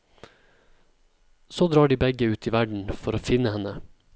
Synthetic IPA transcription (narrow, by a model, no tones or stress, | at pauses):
soːd̪ɾɑːɖiːbɛɡəʉːt̪iːʋæɖɳ̩fɔɾoːfɪnəhɛnə